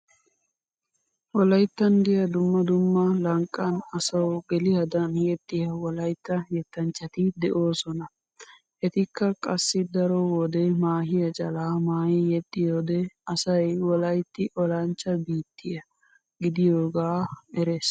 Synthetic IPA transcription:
wɔlɐjt̪ːɐnd̪ɪjɐd̪ʊmːɐd̪ʊmːɐlɐŋkʼːɐnɐsɐwɡɛlɪhɐd̪ɐnhjɛt̪ʼːɪjɐwɔlɐjt̪ːɐjɛt̪ːɐnt͡ʃːɐt̪ɪd̪ɛʔo̞ːsɔnɐ | ʔɛt̪ɪkːɐkʼɐsːɪd̪ɐɾɔwɔd̪ɛmaːɦɪjɐt͡ʃʼɐlaːmaːjɪjɛt̪ʼːɪjoːd̪ɛɐsɐjwɔlɐjt̪ːɪʔɔlɐnt͡ʃːɐbiːt̪ʰːɪjɐ | ɡɪd̪ɪjoːɡaːɛɾeːs

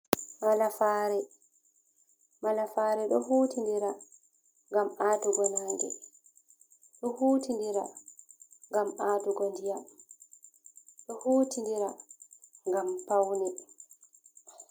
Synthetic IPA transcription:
malafaːɾɛ | malafaːɾɛɗɔɦuːtindiɾa | ŋɡamaːtuɡɔnaːŋɡɛ̰ | ɗɔhuːtindiɾa | ŋɡamʔaːtuɡɔndija | ɗɔhuːtindiɾa | ŋɡampawni

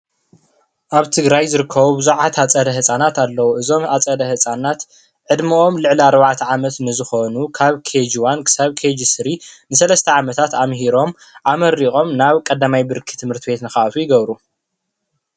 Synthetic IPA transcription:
ʔaβt̪ʰɨɡɾajzɨɾɨkʰːɐβubɨzuʕat̪ʰat͡sʼɐd̪ɐɦɨsʼanat̪alːɐwoʔɨzo̞mat͡sʼɐd̪ɐhɨt͡sʼanat̪ | ʕɨd̪mɨʔo̞mlɨʕliaɾβaʕt̪ʰʕamɐt̪nɨzɨxo̞nukʰaβkʰed͡ʒwankʰɨ̥saβkʰed͡ʒisɨɾinɨsɐlɐst̪ʰɐʕamɐt̪ʰat̪amɦiɾo̞m | ʔamɐɾiχʼo̞mnaβkʼɐd̪amajbɨɾkʰi̥t̪ʰɨmhɨɾt̪ʰibet̪nɨxaʔat̪ʰujɪɡɐβɾu

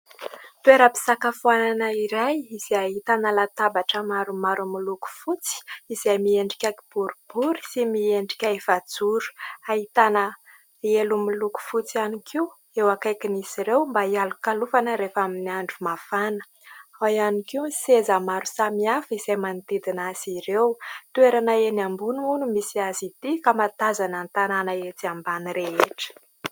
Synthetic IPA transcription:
t̪ueɾəpi̥sakafuananəiɾajiz̥aɦit̪anəlat̪abaʈ͡ʂəmaɾumaɾumiluku̥fut͡si̥izajmieɳɖ͡ʐi̥kʲakib̥uɾub̥uɾisimieɳɖ͡ʐi̥kʲaevad͡zuɾu̥aɦit̪anə | elumiluku̥fut͡sianikʰiu | ewakajkinisiɾewmbaialukalufanəɾefaminiaɳɖ͡ʐumafanə̥ | ajanikiusezamaɾusamiafiz̥ajmanit̪id̪inasiɾewt̪ueɾanaenambunuunumisiazid̪ikamat̪azanənt̪ananaet̪iambaniɾeeʈ͡ʂə̥

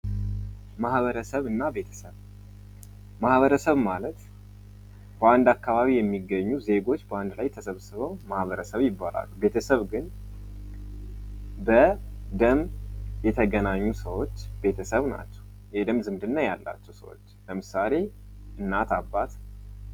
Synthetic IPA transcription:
mahβəɾəsəβɨnːabe̞t̪ʰə̥səβ | mahβəɾəsəβmalət̪ | bəand̪akːaβaβijɛmːiɡːəɲːuze̞ɡo̞t͡ʃːbəand̪lajt̪ʰəsəβsɨβəwmahβəɾəsəβjɪbːala̰lːube̞t̪ʰəsəβɡɨn | bəd̪əmjɛt̪ʰəɡənaɲːusəwo̞t͡ʃːbe̞t̪ʰəsəβna̰t͡ʃːɛ̥w | jɛd̪əmzɨmd̪ɨnːajalːa̰t͡ʃːɛwsə̰wo̞̰t͡ʃːləmɨsale̞ | ʔɨnːat̪abːat̪

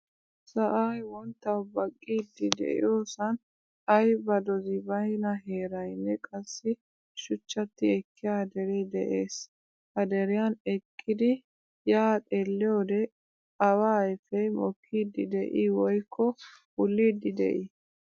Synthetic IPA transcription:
sɐʔɐjwɔnt̪ːɐwbɐkʼːiːd̪ːɪd̪ɛ̰ʔɪ̰joːsɐn | ɐjbɐd̪ɔzɪbɐjnɐɦe̞ːɾɐjnːɛkʼɐsːɪ | ʃʊt͡ʃːɐt̪ːɪɛkːɪjad̪ɛɾɛd̪ɛʔeːs | hɐd̪ɛɾɪjɐnɛkʰːɪd̪ɪ | jaːt̪ʼeːlːɪjoːd̪ɛ | ɐwaːjfɛjmɔkʰːiːd̪ɪd̪ɛʔiwɔjkʰːɔ | ʊlːiːd̪ːɪd̪ɛ̰ʔɪ

